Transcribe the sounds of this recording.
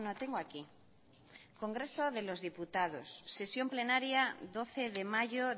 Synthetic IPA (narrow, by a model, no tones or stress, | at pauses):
not̪eŋɡoaki | ko̞ŋɡɾe̞so̞ðe̞lo̞zðiput̪að̞osːe̞sjo̞mple̞naɾjaðo̞θeðe̞maʝo